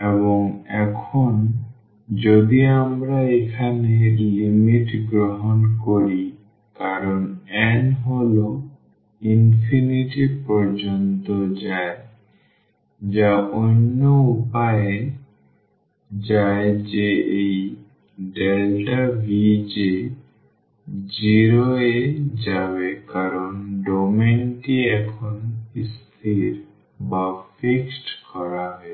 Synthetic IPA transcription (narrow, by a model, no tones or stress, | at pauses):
eβoŋɛkʰon | d͡ʑod̪iamɾaekʰanelimiʈɡɾoɦonkoɾi | kaɾonɛnɦolo | infʰiniʈipɔɾd͡ʒont̪od͡ʑae | d͡ʑaʔonːoupaje | d͡ʒaed͡ʒeʔej | ɖelʈabʱid͡ʒe | d͡ʒiɾoed͡ʒabekaɾɔnɖɔmenʈiɛkʰɔnist̪ʰiɾ | bafʰiksʈkɔɾaɦɔe